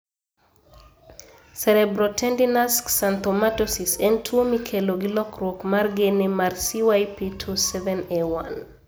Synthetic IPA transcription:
sɛɾɛbɾɔtɛndinasksant̪ɔmatɔsisɛntʰuomikʰeloɡilɔkɾokmarɡenɪmarsiwajpitʰusɛvɛnewan

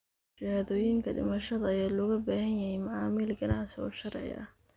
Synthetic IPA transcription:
ɪɾaːðɔːjɪŋkʰɐɖɪ̰mɐʃɐðɐjaːlɔːɣɐbaːhɐnjɐhɛjmɐʕɑːmilɡɐnɑʕsɪɔ̰ːʃɐrʕɪ̰ɐ̰h

